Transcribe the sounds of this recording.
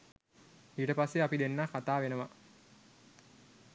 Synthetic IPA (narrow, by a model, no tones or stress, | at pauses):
iːʈəpasːeapid̪enːaːkat̪aːʋenəʋa